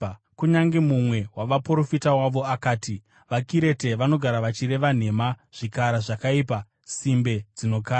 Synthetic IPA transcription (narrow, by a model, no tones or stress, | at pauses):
kuɲaŋɡemumwe̞waʋapuro̞fitawaʋo̞akaːti | ʋakiɾe̞te̞ʋano̞ɡʱaɾaʋat͡ʃiɾe̞ʋan̤e̞maʐ̥ikaɾaʐakaiːpa | simbe̞d͡zino̞kaːa